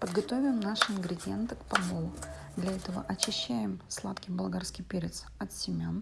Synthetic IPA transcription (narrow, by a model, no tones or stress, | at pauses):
pəd̪ɡɐt̪o̞vʲɪmnaʂɨɪnɡɾʲɪdʲɪent̪ɨkpɐmolˠ | d̪lʲɐɛt̪əvə̰ʔɐt͡ɕɪɕːæjɪmslˠat̪kʲɪjbɐlˠɡarskʲɪjpʲeɾʲɪt̪s | ɐt̪sʲɪmʲan